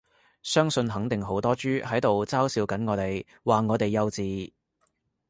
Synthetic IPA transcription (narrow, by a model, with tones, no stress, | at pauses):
sœː˥ŋsɵ˧nɦɐ˨˥ŋt̪ɪ˨˩ŋɦo˨˥wt̪ɔː˥t͡ʃyː˥hɐ˨˥jt̪o˨wt͡saː˥wsiː˨˧wkɐ˨˥nŋɔː˨˧t̪e˨j | waː˨ŋɔː˨˧t̪e˨˩jːɐ˧wt͡siː˨